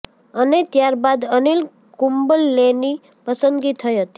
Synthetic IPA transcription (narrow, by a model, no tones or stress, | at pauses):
ənet̪jaɾbad̪ənil | kumbəlːeni | pəsənd̪ɡit̪ʰːəjɦət̪i̥